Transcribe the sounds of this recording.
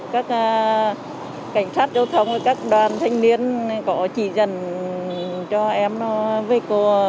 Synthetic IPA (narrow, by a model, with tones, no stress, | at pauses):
kaː˦˥k̚ː | ka˧˩jŋ̟saː˦˥t̚zə˧wt̪ʰə˧wŋ͡mvəː˨˩jkaː˦˥k̚ɗwaː˨˩nt̪ʰa˧jŋ̟ni˧ənkɔ˧˨˦t͡ɕi˧˩zə̰˧˩n | t͡ɕɔ˧ʔɛ˧mnɔ˧˦və˧˦ko˧˩